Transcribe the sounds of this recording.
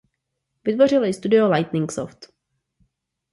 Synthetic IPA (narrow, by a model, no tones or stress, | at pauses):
vɪt̪vo̞r̝ɪlɪst̪udɪolajt̪nɪŋkso̰ft̪